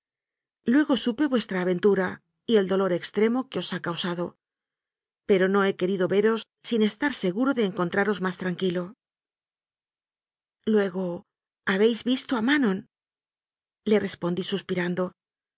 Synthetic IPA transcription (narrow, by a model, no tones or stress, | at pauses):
lwe̞ɣo̞supe̞βwe̞st̪ɾaːβ̞e̞nt̪uɾa | ie̞ld̪o̞lo̞ɾe̞kst̪ɾe̞mo̞keo̞sakawsaðo̞ | pe̞ɾo̞no̞e̞ke̞ɾiðo̞βe̞ɾo̞sːine̞st̪aɾse̞ɣuɾo̞ðe̞ːŋko̞nt̪ɾaɾo̞zmast̪ɾaŋkilo̞ | lwe̞ɣo̞ | aβe̞jzβist̪oamanõ̞n | le̞re̞spo̞nd̪isuspiɾand̪o̞